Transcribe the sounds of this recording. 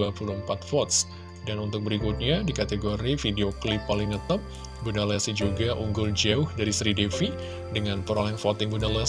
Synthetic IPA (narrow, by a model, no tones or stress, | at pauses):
apulʊmpat̪̚fɔt̪̚s | danunt̪ʊk̚bəɾikut̪̚ɲadikat̪eɡoɾifideoklɪpːaliŋnət̪əp̚ | bunalasid͡ʒuɡaʔuŋɡʊld͡ʒaʊhdaɾisəɾidefi | dəŋanpəɾolɛŋfɔt̪ɪŋbunalɛ